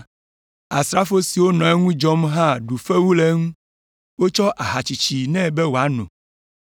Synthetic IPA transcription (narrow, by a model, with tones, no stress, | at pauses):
a˨st̪ɾa˦fo˦si˨wo˦nɔ̃˨ɛ˦ŋũ˦d͡ʒɔ˦mɦã˦ɖu˨fe˦wu˦le˦ŋũ˦ | wo˦t͡ʃɔ˦ʔa˨ɦa˨t͡ʃi˨t͡ʃi˨nɛ̃˦bɛ˦wo˨a˨˦nṵ̃˨